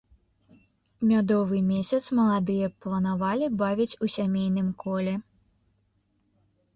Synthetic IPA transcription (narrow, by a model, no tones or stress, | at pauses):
mʲad̪ɔvɨmʲesʲɐt̪smɐlˠad̪ɨjɛplˠɐnavalʲibavʲit͡sʲusʲamʲejn̪ɨmkʰɔlʲɛ